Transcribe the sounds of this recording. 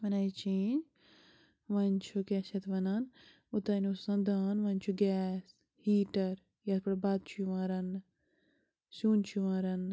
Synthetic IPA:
ʋɐnait͡ʃʰiːn | ʋɐnʲt͡ʃʰukʲeːʃɐt̪ʋɐnan | ut̪ɐnusɐ̃nd̪aːnʋɐnʲt͡ʃʰuɡʲɛːs | hiːʈɐɾ | jɐspɐɽbad̪̚t͡ʃʰuuʋãːɾɐn | suːnt͡ʃʰuʋãːɾɐn

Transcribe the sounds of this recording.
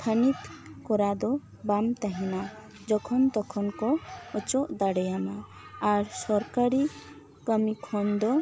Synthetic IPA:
t̪ʰanit̪kɔɾad̪ɔ | bamt̪aɦina | d͡ʒɔkʰɔnt̪ɔkʰɔnkɔɔt͡ʃɔʔd̪aɽɛjanaː | ɾsɔɾkaɾi | kəmikʰɔnd̪ɔ

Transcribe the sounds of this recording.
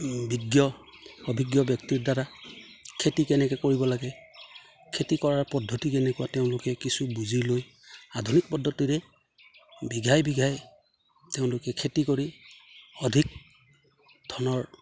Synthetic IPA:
biɡjɔɔbʱiɡjɔbjɔktiɹdaɹa | kʰetikɛnɛkɛkoɹibɔlaɡɛ | kʰetikɔɹaɹpɔdʱːɔtikɛnɛkuwateʊ̃lʊkɛkisubuziloj | adʱunik̚pɔdʱːɔtiɹɛ | biɡʱajbiɡʱaj | teʊ̃lʊkɛkʰetikoɹi | ɔdʱik̚ | dʱɔnɔɹ

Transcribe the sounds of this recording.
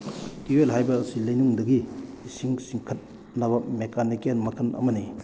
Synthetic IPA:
tielɦajbɐsilɐjnuŋdɐɡi | siŋsiŋkʰɐt̚ | nɐbɐmekʰanikenmɐkʰɐnʔɐ̰mɐni

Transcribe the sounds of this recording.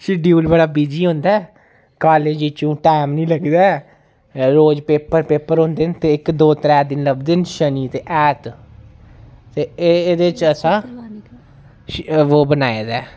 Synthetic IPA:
ʃɪɖjuːlbəɽaːbiːd͡ʒiːɦʊ̃nd̪aː | kaːleːd͡ʒiːt͡ʃũːʈɛːmnĩːləɡd̪aːɛ | ɾoːd͡ʒpeːpəɾpeːpəɾɦʊ̃ːnd̪ɪnt̪eːɪkd̪oːt̪ɾɛːd̪ɪnləbd̪ɪnʃəniːt̪eːʔɛːt̪ | t̪eːed̪eːt͡ʃəsãː | ʋoːbənaːeːd̪ɛː

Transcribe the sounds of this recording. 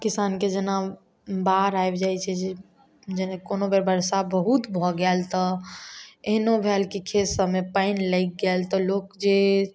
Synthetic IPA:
kisanked͡ʒena | baɾajbd͡ʒajt͡ʃʰɛd͡ʒe | d͡ʒenekonobeɾbəɾsabəɦut̪bʱɔɡɛlt̪ɔ | eɦnobʱelkikʰesəmepaɪnləɪk̚ɡɛlt̪ɔlokd͡ʒe

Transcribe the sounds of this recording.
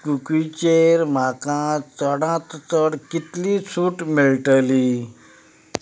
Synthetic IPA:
kukit͡ɕeɾmakãt͡səɽãt̪t͡səɽkit̪lit͡sʰuːʈmeɭʈəli

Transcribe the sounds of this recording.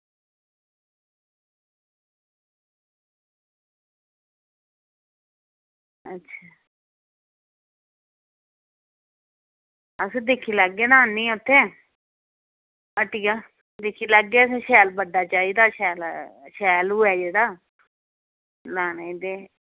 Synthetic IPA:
ətːʃʰaː | əsĩːd̪ekʰiːləɡːeːnãːnĩːʊt̪ʰːeː | aʈiːkaː | d̪eːkʰiːləɡːeːəsẽːʃɛːlbəɖaːt͡ʃaːiːd̪aːʃɛːlʃɛːlʊɛːd͡ʒeːɽaː | naːned̪eː

